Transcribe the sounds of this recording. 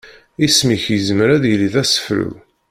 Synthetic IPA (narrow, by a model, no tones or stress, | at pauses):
ismiçjəzməɾæðjəliðæsə̥fɾṵ